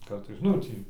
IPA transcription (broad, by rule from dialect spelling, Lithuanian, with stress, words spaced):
ˈkɐrtɐɪs ˈnʊ tʲiː